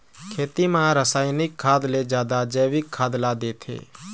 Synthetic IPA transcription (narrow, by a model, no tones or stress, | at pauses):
kʰeːt̪imãɾəsaːɪnɪkʰːaːd̪led͡ʒjaːd̪ad͡ʒeːʋɪkʰːaːd̪laːd̪eːt̪ʰḛː